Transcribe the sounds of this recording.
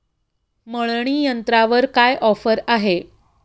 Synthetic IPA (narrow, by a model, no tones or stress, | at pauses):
məɭɳiːjənt̪ɾaʋəɾkajʔɔfəɾaɦe